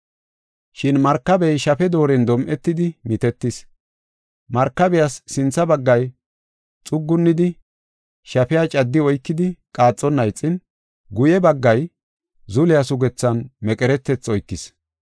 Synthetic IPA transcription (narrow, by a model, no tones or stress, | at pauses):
ʃɪnmɐɾkːɐbɛjʃɐfɛd̪o̞ːɾɛnd̪ɔmʔɛt̪ːɪd̪ɪmɪt̪ɛt̪ːɪs | mɐɾkːɐbɪjasːɪnt͡sːɐbɐɡːɐj | t͡sʼʊɡːʊnːɪd̪ɪ | ʃɐpɪjat͡ʃʼɐd̪ːɪɔjkːɪd̪ɪkʼaːt͡sʼːɔnːɐjt͡sʼːɪn | ɡʊjɛbɐɡːɐj | zʊlɪjasʊɡɛt͡sːɐnmɛkʼɛɾɛt̪ːɛt͡sːɔjkːɪs